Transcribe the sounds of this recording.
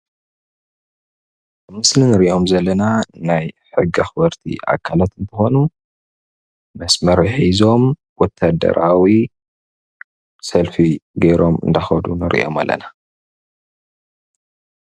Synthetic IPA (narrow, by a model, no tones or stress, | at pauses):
bɨmɨslinɨɾiʔo̞mzɐlːɐnanajħɨɡːiaxbɐɾt̪ʰḭʔa̰kʰːalat̪nt̪ɨxo̞nu | mɐsmɐɾħizo̞m | wɔt̪ʰːad̪ɐ̰ɾʔawi | sɐlfiɡɐjɾo̞mɨ̰nd̪axɐd̪unɨɾʔḭʔo̞̰malːɐ̰na